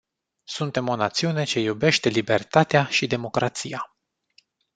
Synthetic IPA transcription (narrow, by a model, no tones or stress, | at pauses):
sunt̪e̞mo̞nat̪siune̞t͡ʃe̞jube̞ʃt̪e̞libe̞rt̪at̪eaʃid̪e̞mo̞kɾat̪sija